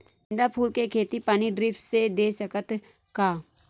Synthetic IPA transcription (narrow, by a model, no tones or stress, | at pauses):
nd̪apʰuːlkekʰeːt̪ipaːniɖɾɪːfʈsed̪eːsəkət̪ | kaː